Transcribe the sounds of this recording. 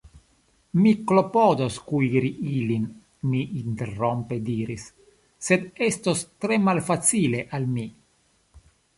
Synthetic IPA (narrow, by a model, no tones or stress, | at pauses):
miklo̞podoskuiɾiʔilin | miʔint̪e̞rompediɾisː | e̞d̪est̪ost̪ɾe̞malfat͡sile̞ʔalmi